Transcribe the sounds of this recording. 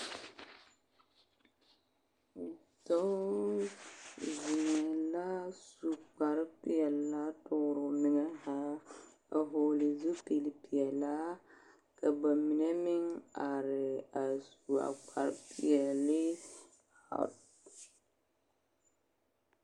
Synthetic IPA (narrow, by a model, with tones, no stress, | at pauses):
tɔ˦ | zi˨ŋɛ˨la˦su˨k͡pa˨ɾpɪ˦˨ɛ˨lla˦tʊ˦˨ɾʊ˨nɪ˨ŋɛ˦ha˦ | a̰˨ɦo˨lɪ˨zu˦pe˨li˨pi˨ɛ˨la˦ | ka˨ba˨mi˨ne˦mɪ˦ŋa˨ɾɪ˨a˨su˨a̰˨k͡pa˨ɾɪ˦pɪ˨ɛ˨lɪ˦ | ha̰˨t